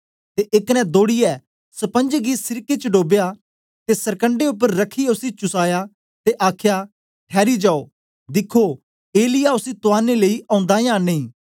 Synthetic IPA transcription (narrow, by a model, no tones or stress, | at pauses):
t̪eʔɪknɛ̃d̪oːɽɪjɛ | sɐpə̃nd͡ʒɡisɪɾket͡ʃəɖoːbja | t̪esɐɾkə̃ɳɖeʊp̬ːəɾːɐkʰːiɛʊsit͡ʃʊsaːja | t̪eʔaːkʰja | ʈʰɛːɾid͡ʒaːoː | d̪ɪkʰːo | eːlɪjaʊsit̪ʊaːneleːiʔɐ̃ːʊ̃nd̪aːjãːneĩː